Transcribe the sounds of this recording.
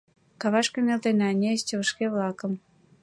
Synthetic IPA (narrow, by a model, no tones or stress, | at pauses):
kɑβɑʃkenelt̪eneɑnʲest͡ɕəβə̆ʃkeβlɑkə̆m